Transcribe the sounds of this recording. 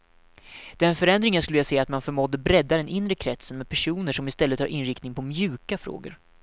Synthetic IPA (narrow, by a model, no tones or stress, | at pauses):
d̪̥ɛnfœɾɛnd̪ɾɪŋaskɵlːəjseːat̪manfœɾmɔd̪ːəbɾɛd̪ːad̪ɛnɪnːɾəkʰɾɛt̪sənmɛːd̪pʰæʂuːnəʂɔmɪst̪ɛlːət̪hɑ̰ɾʔɪnɾɪkt̪nɪŋpʰɔmjʉ̟ːkafɾo̰ːɡə̰ɾ